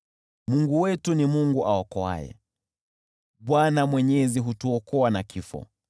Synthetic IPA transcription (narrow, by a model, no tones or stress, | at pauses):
muŋɡuwɛtunimuŋɡuʔaɔkɔa̰jɛ̰ | ɓwanamwɛɲɛziɦutuɔkɔanakifɔ̰